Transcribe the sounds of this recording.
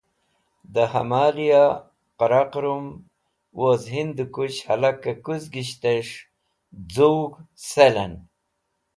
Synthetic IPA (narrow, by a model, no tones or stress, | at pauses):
d̪ahɐ̰maːlija | qaɾaqɾum | wozɦind̪ukut͡ɕhɐ̰lakːakuzɡiɕt̪eʂ | d͡zuwɡselan